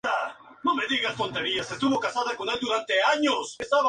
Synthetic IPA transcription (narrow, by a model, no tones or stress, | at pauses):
a | nomed̪iɣast̪ont̪eɾiasest̪uɣokasaðekonajd̪uðant̪eaɲosesaβ